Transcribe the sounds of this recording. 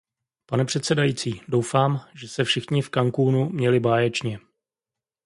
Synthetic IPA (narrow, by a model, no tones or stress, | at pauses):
panɛpr̝̥ɛt̪sɛdajit͡siːdo̞wfaːmʒɛsɛfʃɪxɲɪfkaŋkuːnumɲɛlɪbaːjɛt͡ʃɲɛ